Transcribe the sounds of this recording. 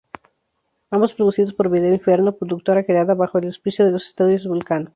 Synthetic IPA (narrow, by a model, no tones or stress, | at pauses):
ambospɾoðusiðo̞spo̞ɾβiðeiɱfjeɾnopɾoðuk̚t̪o̞ɾakɾeaðaβaxo̞elospisjoðe̞losest̪aðjozβulkano